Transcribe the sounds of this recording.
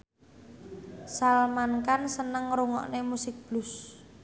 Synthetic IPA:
salmankansənəŋɾuŋɔ̰ʔnemusɪk̚b̥lus

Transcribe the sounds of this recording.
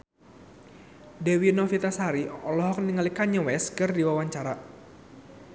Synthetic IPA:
dewinɔfit̪asaɾiɔlɔɦɔk̚niŋalikaɲəwɛskɨrdiwawaɲt͡ʃaɾa

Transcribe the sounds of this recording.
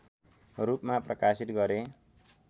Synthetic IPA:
rupmaprʌkasit̪ɡʌɾe

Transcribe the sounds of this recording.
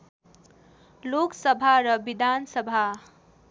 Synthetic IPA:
loksʌbʱaɾʌbid̪ʱansʌbʱa

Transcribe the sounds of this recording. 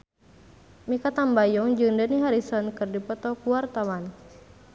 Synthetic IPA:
mikat̪ambajɔŋd͡ʒɨŋdəniɦaɾisɔnkɨrdipɔt̪ɔkuwart̪awan

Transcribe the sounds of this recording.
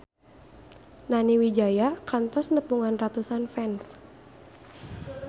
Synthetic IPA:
naniwid͡ʒajakant̪ɔsnəpuŋanrat̪usanfɛns

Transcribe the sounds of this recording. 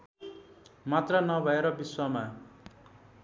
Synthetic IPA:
mat̪rʌnʌbʱʌeɾʌbiswʌma

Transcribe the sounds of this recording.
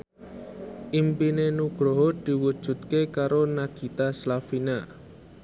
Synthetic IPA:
ʔimpinenuɡ̥ɾoɦod̪̥i̤wud̥ʒ̥ṳt̪̚kekaɾonaɡ̥i̤t̪aslafina

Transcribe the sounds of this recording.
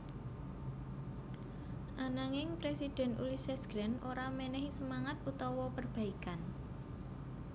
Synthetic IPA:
ʔanaŋɪŋpɾesid̥ɛ̤nṵlisɛsɡ̥ɾɛnʔoɾamɛnɛɦisəmaŋat̪̚ut̪ɔwɔpərb̥ä̤ikan

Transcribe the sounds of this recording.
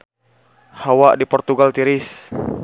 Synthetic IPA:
hawadipɔrt̪uɡalt̪iɾɪs

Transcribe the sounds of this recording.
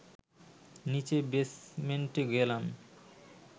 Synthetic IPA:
nit͡ɕebesmenʈiɡoelam

